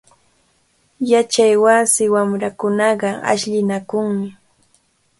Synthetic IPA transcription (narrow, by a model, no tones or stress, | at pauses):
jat͡ʃajwasɪwamɾakʊnɑɢɑa̰ʃʎɪnakʊŋmɪ